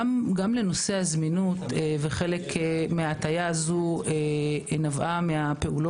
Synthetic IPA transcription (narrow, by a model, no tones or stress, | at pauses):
mɡamle̞no̞sehazminut̪eveχe̞le̞kmeatajaːzuenavʔameape̞ulo